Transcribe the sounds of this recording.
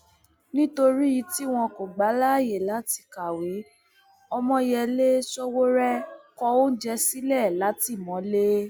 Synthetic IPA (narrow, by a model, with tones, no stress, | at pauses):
nĩ˦to˧ɾi˦ji˨˧˦ti˦w̃ɔ̃˧ko˨ɡ͡ba˨˦la˦˨je˨la˨˦ti̥˧˨ka˨we˨˦ | ɔ˧mɔ̃˧jɛ˧le˦sɔ˦wo˦ɾɛ˦kɔ˧o˦d͡ʒɛ˧si˦lɛ˦˨la˨˦ti˦˨mɔ̃˨˦le˦